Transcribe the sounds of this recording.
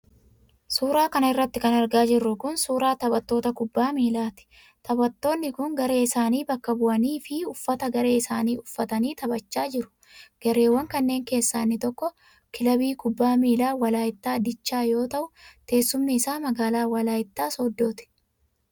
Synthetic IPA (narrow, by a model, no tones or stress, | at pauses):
suːɾaːkɐnɐɪrːɐt̪ːɪkɐnɐɾɡaːd͡ʒɪrːʊkʊnsuːɾaːt̪ɐbɐt̪ːoːt̪ɐkʊbːaːmiːlaːt̪ɪ̥ | t̪ʰɐbɐt̪ːo̞ːnːɪkʊŋɡɐɾe̞ːɪsaːniːbɐkːɐbʊʔɐniːfɪʊfːɐt̪ɐɡɐɾe̞ːɪsaːniːʊfːɐt̪ɐniːt̪ɐbɐt͡ʃːaːd͡ʒɪɾʊ̥ | ɡ̥ɛɾe̞ːwːɐŋkɐnːe̞ːŋke̞ːsːaːnːɪt̪ɔkːɔ | kɪlɐbiːkʊbːaːmiːlaːwɐlaːɪt̪ːaːd̪ɪt͡ʃːaːjo̞ːt̪ɐʔʊt̪e̞ːsːʊmnɪːsaːmɐɡaːlaːwɐlaːjɪt̪ːaːsɔd̪ːo̞ːt̪ɪ̥